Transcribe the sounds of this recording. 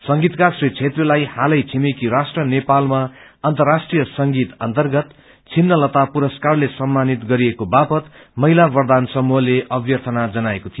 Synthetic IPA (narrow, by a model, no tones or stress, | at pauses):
sʌŋɡit̪kasrit͡sʰet̪rʌlajhalʌjt͡sʰimekiɾasʈrʌnepalmaʌnt̪ʌrːasʈrijʌsʌŋɡit̪ʌ̰nt̪ʌrɡʌt̪ | t͡sʰinːʌlʌt̪apuɾʌskarlesʌmːanit̪ɡʌɾiekobapʌt̪ | mʌɦilabʌrd̪ansʌmuɦʌleʔʌbjʌrt̪ʰʌnad͡zʌnaekot̪ʰijo